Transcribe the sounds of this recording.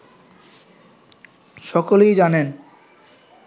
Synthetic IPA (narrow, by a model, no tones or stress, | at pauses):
ʃɔkolejd͡ʑanen